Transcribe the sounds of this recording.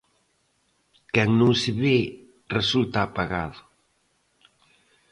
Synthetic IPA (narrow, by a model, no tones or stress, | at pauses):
kɛŋnuŋseβe | result̪aːpaɣa̰ðʊ